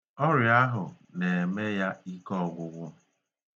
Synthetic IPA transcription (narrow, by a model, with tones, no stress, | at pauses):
ɔ˦ɾja˦ɦʊ˨ | ne˨e˨me˦ja˦i˦kɔ˦˨ɡʷʊ˨ɡʷʊ˦